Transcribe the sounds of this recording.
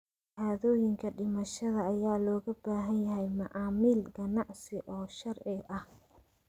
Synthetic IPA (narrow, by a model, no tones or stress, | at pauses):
haːðɔːjɪŋkʰɐɖɪmɐʃɐðɐːjaːlɔːɣɐbaːɦɐnjɐɦɛjmɐʔɑːmiːlɡɐnɑʕsɪʔɔːʃɐrʕɪʔɐh